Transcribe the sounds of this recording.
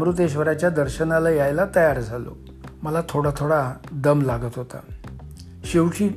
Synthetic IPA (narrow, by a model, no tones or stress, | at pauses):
mɾut̪eɕ̬ʋəɾat͡ɕjad̪əɾɕənalajajlat̪əjaɾd͡zʱalo̰ | məlat̪ʰoɽat̪ʰoɽad̪əmlaɡət̪ɦot̪a̰ | ɕewɕiː